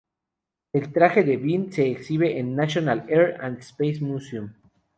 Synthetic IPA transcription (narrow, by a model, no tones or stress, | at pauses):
e̞lt̪ɾaxe̞ðeβinse̞ːksiβeʔenːasjonaleɾãnd̪spejsmusum